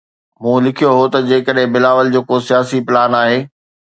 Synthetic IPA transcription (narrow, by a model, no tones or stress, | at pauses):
mũːlɪkʰijoɦot̪ɐd͡ʑeːkəɗɦɪ̃bɪlaːʋəld͡ʑeːkosijaːsipɪlaːnaːɦeː